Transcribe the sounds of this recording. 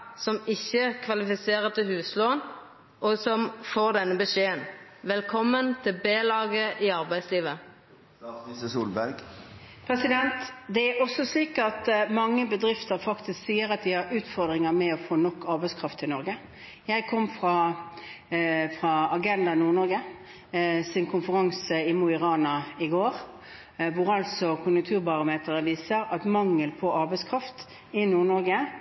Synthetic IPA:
sɔmɪçːəkʰʋɑlɪfɪseːʁət̪ʰɪlhʉːsloːn | ʔɔsɔmfoːʁd̪ɛnːəbəʂeːənʋɛlkʰɔmːənt̪ʰɪlbeːlɑːɡəʔɪɑʁbæɪsliːʋə | səsuːlbæɾɡ | pʰɾɛsɪd̪ɛnt̪d̪ɛæɾɔsːɔsliːkɑt̪mɑŋːəbəd̪ɾɪft̪əɾfɑkt̪ɪsksiːəɾɑt̪̚d̪ɪhɑɾʉːt̪fɔʁd̪ɾɪŋəmɛɔfoːnɔkːɑɾbæɪskʰɾɑft̪ʰɪlnɔɾɡə | jæɪkʰɔmːfɾɑ | fʁɑɑɡɛnd̪ɑnuːʁnɔɾɡə | sɪnkʰʊnfəɾɑŋsəɪmuɪʁɑːnɑɪɡoːɾ | ʋʊɾɑlsɔkʰʊnjʉŋt̪ʰʉːʁbɑʁʊmeːt̪əɾəʋiːsəɾɑt̪mɑŋːəlpʰɔɑɾbæɪskʰʁɑft̪ | ɪnuːʁɳɔɾɡə

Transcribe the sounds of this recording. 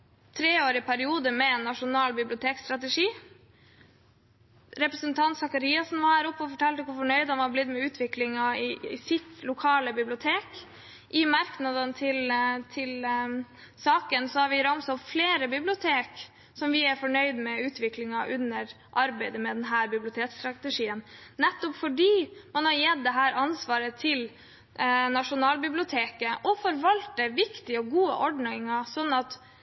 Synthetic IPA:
t̪ʰɾeːoːɾɪpʰæɾɪuːd̪əmɛɛnːɑʂʊnɑːlbɪblɪʊt̪ʰeːkst̪ɾɑt̪əʂiː | ɾɛpɾəsənt̪ʰɑnt̪sɑkɑɾiːɑsɔnʋɑhæːɾʊpːɔfɔʈʰɛlt̪əkʊɾfɔɳœʏd̪hɑnʋɑblɪd̪mɛʉːt̪ʰʋɪklɪŋɑɪɪsɪt̪lʊkʰɑːləbɪblɪʊt̪ʰeːk | ʔɪmɑɾknɑd̪ənt̪ʰɪlt̪ʰɪl | sɑːkənsɔhɑɾʋɪɾɑmsɔfleːɾəbɪblɪʊt̪ʰeːk | sɔmʋɪæɾfɔɳœʏd̪mɛʉːt̪ʰʋɪklɪŋɑʔʉnːəɾ | ʔɑɾbæɪd̪əmɛd̪ɛnɦæːɾbɪblɪʊt̪ʰeːkst̪ɾɑt̪əʂiːənnɛt̪ːɔpfɔɖiːmɑnhɑɾjɛt̪̚d̪ɛɦæːɾʔɑnsʋɑːɾət̪ʰɪl | nɑʂʊnɑːlbɪblɪʊt̪ʰeːkəʔɔfɔɾʋɑlt̪̚d̪ɛʋɪkt̪ɪəɔɡuːə̰ʔɔɖɳɪŋɑsɔnːɑt̪

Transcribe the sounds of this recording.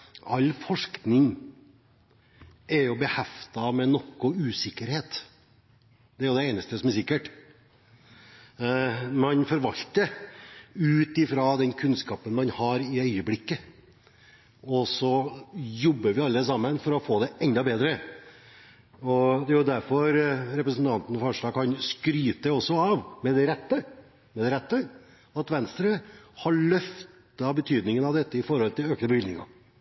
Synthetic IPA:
ɑlːfɔʂknɪŋ | ɛɾjʊbəhɛft̪ɑmɛnɔkːʊʉːsɪkːəɾheːt̪ | d̪̥ɛæɾjʊd̪ɛeːnəst̪əsɔmæɾsɪkːəʈ | mɑnfɔɾʋɑlt̪ə | ʉːt̪ɪfɾɑd̪ɛnkʰʉnskɑːpənmɑnhɑɾɪœʏəblɪkːə | ɔsɔjɔbːəɾʋɪɑlːəsɑmːənfɔɾɔfoːd̪ɛɛnd̪ɑbeːd̪ɾə | ɔd̪ɛjʊd̪æɾfɔɾɾɛpɾəsənt̪ʰɑnt̪ənɔfɑʂɑːɡ̚kʰɑnskɾyːt̪əɔsɔɑʋmɛd̪ɛɾɛt̪ːə | mɛd̪ɛɾɛt̪ːə | ɑt̪ʋɛnst̪ɾəhɑɭœft̪ | ɑbət̪ʰyːd̪nɪŋənɑʋd̪ɛt̪ːəɪfɔɾhɔlt̪ɪløːknəbɾʏlnɪŋɑ̰

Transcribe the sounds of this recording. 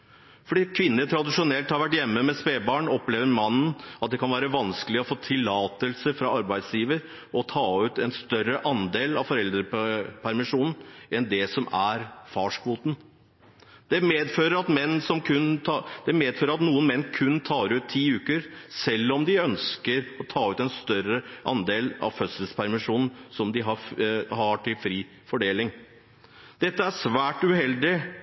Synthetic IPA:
fɔɖiːkʰʋɪnːət̪ʰɾɑd̪ɪʂʊnɛlt̪hɑɾʋæʈjɛmːəmɛspeːbɑːɳɔpleːʋəɾmɑnn̩ɑt̪̚d̪ɛkɑnʋæːɾəʋɑnskəlɪɔfoːt̪ʰɪlːɑːt̪əlsəfɾɑɑɾbæɪd̪sjiːʋəɾ | ɔt̪ʰɑːʉːt̪ɛnst̪œɾəʔɑnd̪eːlɑfɔɾɛld̪ɾəpʰæɾmɪʂuːnn̩ʔɛnd̪ɛsɔmæɾfɑːʂkʋuːt̪n̩ | d̪̥ɛmeːd̪føːɾəɾɑt̪mɛnːsɔmkʰʉnːd̪̥ɛmeːd̪føːɾəɾɑt̪nuːənmɛnːkʰʉnːt̪ʰɑːɾʉːt̪ʰːiːʉːkəɾsɛlːɔmd̪ɪœnskəɾɔt̪ʰɑːʉːt̪ɛnst̪œɾəʔɑ̰nd̪eːlɑ̰ʋfœt̪səlspʰæɾmɪʂuːnn̩sɔmd̪ɪɦɑhɑʈʰɪlfɾiː | fɔɖeːlɪŋ | d̪ɛt̪ːəæʂʋæːʈʉhɛld̪ɪ

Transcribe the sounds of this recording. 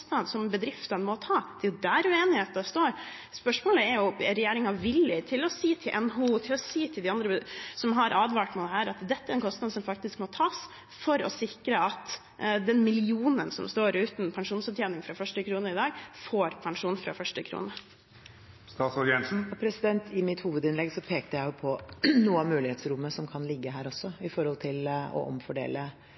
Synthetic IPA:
t̪nɑd̪sɔmbəd̪ɾɪft̪ɑnmɔt̪ʰɑːd̪ɛjʊd̪æːɾʉeːnɪheːt̪ɑst̪oːɾ | spœʂmoːləɛɾjʊɾɛjeːɾɪŋɑʋɪlːɪt̪ʰɪlɔsiːt̪ʰɪlʔɛnɦut̪ʰɪlɔsiːt̪ʰɪld̪ɪɑnd̪ɾəbsɔmɦɑɾʔɑːd̪ʋɑːʈmɛd̪ɛɦæːɾɑt̪d̪ɛt̪ːəæɾɛnkɔst̪nɑd̪sɔmfɑk̚t̪ɪskmɔt̪ʰɑːs | fɔɾɔ̰sɪkɾəɑt̪ | d̪ɛnmɪlɪuːnənsɔ̰mst̪oːɾʉːt̪npʰɑŋʂuːnsɔbt̪jeːnɪŋfɾɑfœʂʈəkʰɾuːnəɪd̪ɑːɡfoːɾpʰɑŋʂuːnfɾɑ̰fœʂʈəkʰɾṵːnə | st̪ɑːt̪sɔɾɪɛnsn̩pʰɾɛsɪd̪ɛnt̪ʰɪmɪt̪huːʋəd̪ɪnlɛɡsɔpʰeːk̚t̪əjæɪjʊpʰɔnuːəɑmʉːlɪeːt̪sɾʊmːəsɔmkʰɑnlɪɡːəɦæːɾɔsːɔɪfɔɾhɔlt̪ʰɪlɔ̰ʔɔ̰mfɔɖḛːlə

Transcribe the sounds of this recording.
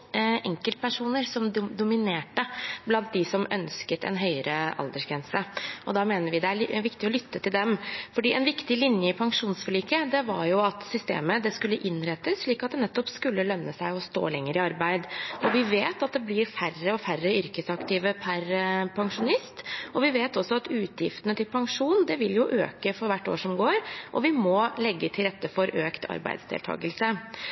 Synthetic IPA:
ʔɛŋkəlt̪̚pæʂuːnəɾsɔmd̪d̪ʊmɪneːʈəblɑnt̪̚d̪ɪsɔmœ̰nskət̪ʰɛ̰nɦœʏəɾəʔɑ̰ld̪əʂɡɾɛnsəʔɔd̪ɑːmeːnəɾʋɪd̪ɛæʋɪkt̪ɪɔlʏt̪ːət̪ɪld̪ɛmfɔɖiːʔɛnʋɪkt̪ɪlɪnjəɪpʰɑŋʂuːnsfɔɭiːkəd̪ɛʋɑ̰ɾjʊɑt̪sʏst̪ḛːməd̪ɛskʉlːəʔɪnːɾɛt̪ːəsʂɭiːkɑt̪̚d̪ɛnɛt̪ːɔpskʉlːəlœnnːəsæɪɔst̪o̰ːlɛŋːəɾɪɑɾbæɪd̪ɔʋɪʋeːt̪ɑt̪̚d̪ɛblɪɾfærəɔfæɾəʏɾkəsɑkt̪iːʋəpʰæɾpʰɑŋʂʊnɪst̪ɔʋɪʋeːt̪ɔsːɔɑt̪ʉːt̪ʰjɪ̰ft̪ənət̪ʰɪlpʰɑŋʂuːnd̪ɛʋɪljʊʔø̰ːkəfɔɾʋæʈːo̰ːʂɔmɡoːɾʔɔ̰ʋɪmɔlɛɡːət̪ʰɪlɾɛt̪ːəfɔɾʔøːkt̪ʰɑ̰ɾbæ̰ɪd̪sd̪ɛ̰ːlt̪ʰɑ̰ːɡəlsə

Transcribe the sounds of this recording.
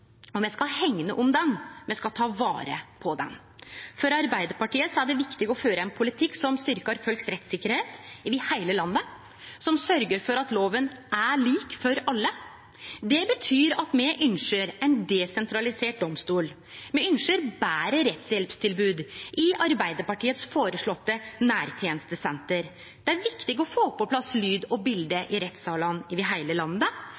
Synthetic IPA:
ɔmjɛskɑlhɛŋːnəʔʊmd̪ɛnmɛskɑt̪ʰɑːʋɑ̰ːɾə̰pʰɔd̪ɛ̰n | fɔɾɑɾbæɪd̪əɾpɑʈiːəsɔæɖɛʋɪkt̪ɪɡəɔføːɾəɛnpʰʊlɪt̪ʰɪkːsɔmst̪ʏɾkɑɾfœlksɾɛt̪sɪkːəɾheːt̪ʋɪhæɪləlɑnːə | sɔmsœɾɡəɾfɔɾɑt̪loːʋənæɭiːkfɔɾɑlːə | d̪ɛbət̪ʰyːɾɑt̪mɛʔʏnʂəɾɛɪnd̪ɛsɛnt̪ʰɾɑlɪseːʈ̚d̪ɔmst̪uːl | mɛʏnʂəɾbæːɾəɾɛt̪shɛlpst̪ʰɪlbʉːd̪ʔɪʔɑɾbæɪd̪əɾpɑʈiːət̪sfoːɾəʂɭɔt̪ːənæːɾt̪ʰjeːnəst̪əsɛnt̪əɾ | d̪̥ɛæɾʋɪkt̪ɪɡɔfoːpʰːɔpʰlɑslyːd̪ɔbɪld̪əʔɪɾɛt̪sɑːlɑnɪʋɪɦæɪləlɑnə

